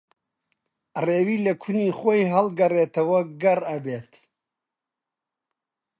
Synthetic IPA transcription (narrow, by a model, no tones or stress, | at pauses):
reːwiːlɐkʰuniːχojɦɐlɡɐreːt̪ʰɐwɐɡɐrɐbeːt̪